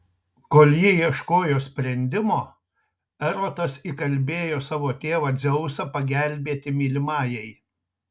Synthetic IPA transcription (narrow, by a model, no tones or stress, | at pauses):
koːlʲˠjɪiɛʃkoːjoːsʲpʲɾʲɛnʲd̪ʲɪmoː | ɛɾoːt̪ɐsikɐlʲbʲeːjoːsɑːʋoːt̪ʲeːʋɐd̪zʲɛʊsɐpɐɡʲælʲbʲeːt̪ʲɪmʲiːlʲɪmɑːjɛɪ